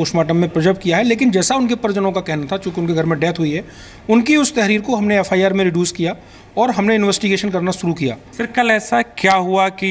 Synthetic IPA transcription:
oːʃmaːʈ̬əmːẽpɾəd͡ʒəɾb̚kijaɦɛleːk̬ɪnd͡ʒɛːsaʊnkepɐɾd͡ʒənõkakɛɦnat̪ʰat͡ʃõːkiʊnkeɡʱɐɾmẽɖɛːt̪ɦuiɦɛ | ʊnkiʊst̪ɛɦɾiːɾkoɦɐmneɛfʰaːjaːɾmẽɾɪɖjuːskija | ɔːɾɦɐmneɪnʋɛːsʈɪɡeːʃənkɐɾnaʃʊɾukija̰ːfɪɾkɐlɛːsakjaːɦuaki

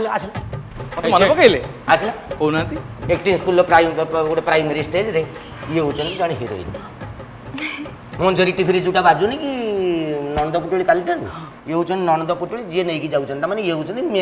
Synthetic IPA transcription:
lasil | mɔt̪ɔmɔnɔbɔkəile | asilakownat̪i | ek̚ʈinskulɔpɾajmuɽepɾajmeɾisʈed͡ʒɾe | jeut͡ʃʰɔnid͡ʒaɽ̃iɦeɾo̰j̰l̰ | mɔnd͡ʒəɾikʈipʰiɾid͡ʒuʈabad͡ʒuniki | nɔnɔd̪ɔpuʈuɭikalʈəɾṵ | jeut͡ʃʰɔnnɔnd̪ɔpuʈuɭid͡ʒienəjkid͡ʒaut͡ʃʰənt̪amanejeut͡ʃʰənt̪ime

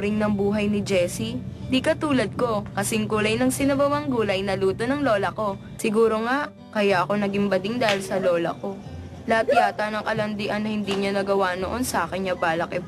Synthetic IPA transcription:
ɾɪŋnɐŋbuːɦɐjnɪd͡ʒɛːsind̪ikɐt̪uːlɐd̪̚ko̞kɐsɪŋkuːlɐjnɐŋsɪnɐbɐwɐŋɡuːlɐjnɐluːt̪o̞nɐŋlo̞ːlɐko̞ | sɪɡuːɾo̞ŋaʔ | kɐjaʔɐko̞nɐɡɪmbɐd̪ɪŋd̪aːhɪlsɐlo̞ːlɐ̰ko̞ | lɐat̪̚jaːt̪ɐnɐŋkɐlɐnd̪ɪʔɐnːɐhɪnd̪iːɲanɐɡɐwanoʔo̞nsɐʔaːkɛɲɲɐbaːlɐkɛp

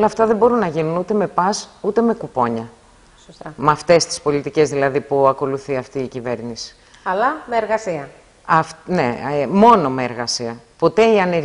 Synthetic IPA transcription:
olɐːft̪ɐðe̞bo̞ɾunːɐʝinunut̪e̞me̞pɐsut̪e̞me̞kupo̞ɲɐ | ssmɐft̪e̞st̪i̥spo̞lit̪ice̞zðilɐðipuɐko̞luθiɐft̪iːcive̞ɾnisi̥ | ɐlɐmeːɾɣɐsiɐ | ɐfne̞̰mo̞no̞me̞ːɾɣɐsiɐpo̞t̪e̞iɐne̞

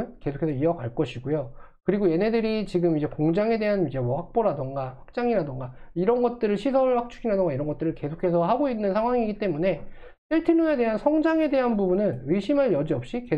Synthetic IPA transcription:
ɯnke̞sʰokʰe̞sʰʌiʌkaɭk͈ʌɕʰiɡojokɯɾiɡoje̞ne̞dɯɾit͡ɕiɡɯmid͡ʑe̞koŋd͡ʑaŋe̞de̞ɦanid͡ʑe̞mwʌɸak̚p͈oɾadɯŋɡaɸwak̚t͡ɕ͈aŋiɾadɯŋɡaiɾʌnɡʌt̚t͈ɯɾɯɭɕʰisʰʌɯɭɸak̚t͡ɕʰuɡʰinɦadɯŋɡaiɾʌnɡʌt͈ɯɾɯɭke̞sʰokʰe̞sʰʌɦaɡoinːɯnsʰaŋwaŋiɡit͈e̞mune̞ | t͈iɭtʰinune̞de̞ɦansʰʌŋd͡ʑaŋe̞de̞ɦanbubunɯneɕʰimanjʌd͡ʑiʌp̚ɕ͈ike

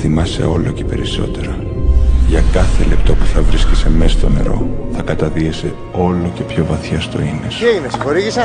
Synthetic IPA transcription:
θimɐse̞̰o̞loce̞̥pe̞ɾiso̞̰t̪e̞ɾɐ | ʝɐkɐθe̞le̞pt̪o̞pu̥θɐvɾiscese̞me̞st̪o̞ne̞̰ɾo̞̰θɐkɐt̪ɐðiese̞ | o̞lo̞ce̞pço̞vɐθçɐst̪o̞̰inesejinesxoɾiʝisɐ

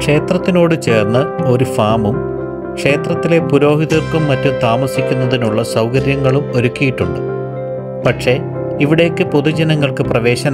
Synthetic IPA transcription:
kʂe̞ːt̪rɐt̪ːino̞ːɽɨt͡ɕe̞ːrnːɐo̞ɾufaːmum | kʂe̞ːt̪rɐt̪ːile̞puɾo̞ːɦiðɐrkumːɐtːumt̪aːmɐsikʲːunːɐðinuɭːɐsɐwkɐɾjɐŋːɐɭumo̞ɾukʲːijiʈːuɳɖɨ | pɐʈʂe̞ | iʋiɽe̞ːkːɨpo̞ðud͡ʑɐnɐŋːɐɭkɨprɐʋe̞ːɕɐn

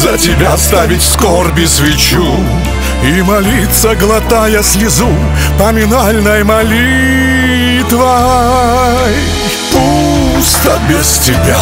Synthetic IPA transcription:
zətʲɪbʲast̪avʲɪtʲskorbʲɪsvʲɪt͡ɕ | u | imɐlʲit̪səɡlˠɐt̪ajəsʲlʲɪzu | pɐmʲɪnalʲnəjəmɐlʲi | t̪vɐ | pu | st̪əbʲɪstʲɪbʲa

